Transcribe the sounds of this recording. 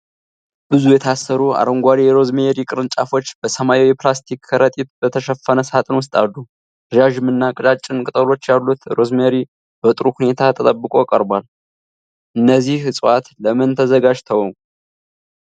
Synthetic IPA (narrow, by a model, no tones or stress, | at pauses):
b̥ɨzujɛt̪ʰasːəɾua̰ɾəŋɡʷaɾijɛɾo̞zmeɾikʼɨɾɨnt͡ʃʼafo̞t͡ʃːbəsəmajiwjɛplast̪ʰikʰːəɾət̪ʼit̪bət̪ʰəʃəfːənəsat̪ʼɨnwʊst̪ʼad̪u | ʒaʒɨmːɨnːakʼɨt͡ʃʼat͡ʃʼːɪnkʼɨt̪ʼəlo̞t͡ʃːjalːut̪ɾo̞zmeɾi | bət̪ʼɾuhune̞t̪ʰat̪ʰət̪ʼəbːɨkʼo̞kʼəɾbal | ʔɨnːəzːihhɨsʼwat̪ləmɨnt̪ʰəzəɡad͡ʒt̪ʰəwŋ